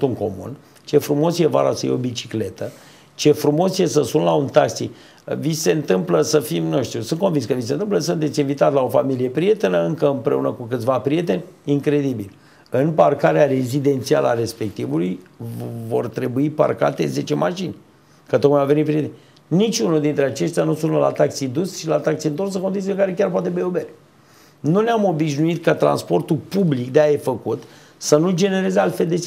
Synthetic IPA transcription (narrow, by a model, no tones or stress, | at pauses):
t̪uŋko̞mṵn | t͡ʃe̞fɾumo̞sje̞va̰ɾasəjḛo̞bit͡ʃi̥kle̞t̪ə | t͡ʃe̞fɾumo̞sjesəsunlaunt̪aksi | vise̞ɨnt̪ɨmpləsəfimnuʃt̪usɨnt̪ko̞nvinskəvisent̪ɨmpləs̬ɨnt̪et̪sʲinvit̪at̪lao̞familije̞pɾije̞t̪e̞nəɨŋkəɨmpɾe̞̰unəkukɨt̪sʲvapɾije̞t̪e̞nʲiŋkɾe̞d̪ibil | ɨnparkaɾeaɾe̞zid̪e̞nt̪sia̰ləaɾe̞spe̞k̚t̪ivuluj | vo̞̰rt̪ɾe̞buipa̰rka̰t̪e̞ze̞t͡ʃe̞maʃinʲ | kət̪ok̚majvave̞nipɾie̞t̪enʲ | nit͡ʃʲunuld̪int̪ɾe̞at͡ʃe̞ʃt̪eanusunəla̰t̪aksid̪usʃilat̪ak̚tsiɨnt̪o̞rs̬əkond̪it̪sileəŋkaɾe̞kʲarp̬oat̪̬ebeober | nuneamo̞biʃ̬nuit̪kat̪ɾa̰nspo̞rt̪upublikd̪eajefəkut̪ | sənud͡ʒe̞ne̞ɾe̞zealt̪feld̪esi